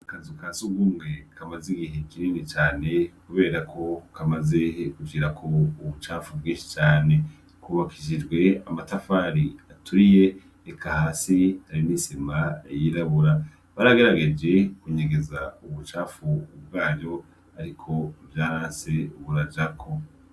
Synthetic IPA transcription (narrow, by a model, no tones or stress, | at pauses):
akazikasuɡɡumŋe̞kamaziɡiɦe̞kiɾiːnit͡ʃaːne̞kuβe̞ːɾakʰo̞kamaze̞kuɡiɾakʰo̞uβut͡ʃaːfubɡĩːnʃi̥t͡ʃaːne̞ | kuːβakʰiʒid͡ʒɡwe̞amatafaɾiatuɾije̞ | ekʰahasihaɾimisimajiɾaβuɾa | βaɾaɡe̞ɾaɡe̞d͡ʒe̞kuɲeɡe̞zauβut͡ʃaːfub̚ɡaːjo̞ | aɾikʰo̞vjaːɾaːnse̞βuɾad͡ʒakʰo̞